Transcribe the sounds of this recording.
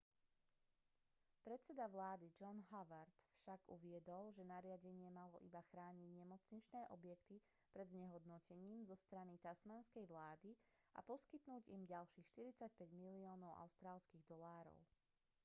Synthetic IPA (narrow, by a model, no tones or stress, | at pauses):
pɾɛt̪t͡sɛd̪aʋlaːd̪id͡ʒɔnɦaʋaɾt̪fʃaɡuʋɪɛd̪ɔlʒɛnaɾɪaɟɛɲɪɛmalɔ̰ʔibaxɾaːɲiɟɲɛmɔt͡sɲit͡ʃnɛːʔɔbjɛkt̪i | pɾɛd̪zɲɛɦɔd̪nɔcɛɲiːmzɔst̪ɾanit̪asmanskɛjʋlaːd̪i | a̰pɔskit̪nuːɟimɟalʃiːxʃt̪iɾit͡sac̚pɛɟmiliɔːnɔʊʔa̰ʊst̪ɾaːlskiːɣd̪ɔlaːɾɔ̰ʊ